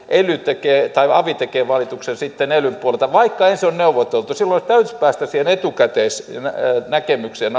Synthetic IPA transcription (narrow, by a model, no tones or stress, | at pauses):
ʔelyt̪ekeːt̪ɑiɑ̰ʋit̪ekeːʋɑlit̪uksensit̪ːenelympuolelt̪ɑʋɑikːɑensonneuʋot̪elt̪usilːoist̪æyt̪y̥pæːst̪æsiːhenet̪ukæt̪eːsnnækemykseːn